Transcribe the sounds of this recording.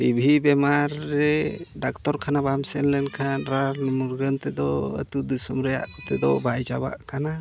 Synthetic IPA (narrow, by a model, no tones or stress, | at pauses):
ibʱibɛmaɾːɛɖakt̪ɔɾkʰanabamsɛnlɛnkʰanɾaɾnmuɾɡənt̪ɛd̪ɔə̰t̪ud̪isɔmɾɛja̰ʔɔt̪ɛd̪ɔbajd͡ʒaba̰ʔkana